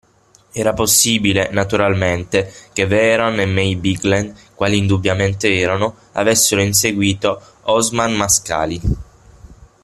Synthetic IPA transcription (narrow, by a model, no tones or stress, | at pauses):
ɛːɾaposːiːbilenat̪uɾalment̪ekevɛɾonemɛjbiɡlenkwaːliːnd̪ubjament̪eɛːɾano | a̰vesːeɾoins̬eɡwiːt̪o | ɔzmanmaska̰ːli